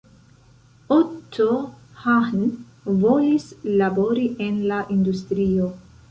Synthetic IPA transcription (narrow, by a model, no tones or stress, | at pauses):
ot̪ʰːo | hahn | volislabo̞ɾiʔenlaʔind̪ust̪ɾio